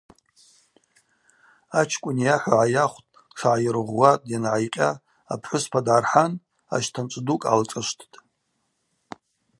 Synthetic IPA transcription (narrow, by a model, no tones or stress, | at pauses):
at͡ʃʰkʷʼʊnjaħʷaʕajaχʷtʼ | ʈ͡ʂʰaʕajɪɾʁʷwatʼjanʕajqʲʼa̰ː | pʰħʷʊspʰadʕarħan | a̰ʃtʰant͡ʃʷʼdukʼa̰lt͡sʼaʃʷtʰtʼ